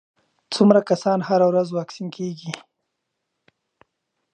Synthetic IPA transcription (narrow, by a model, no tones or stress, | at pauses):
t͡sʊmɾakasɑnhaɾawɾazwɑksinkeɡi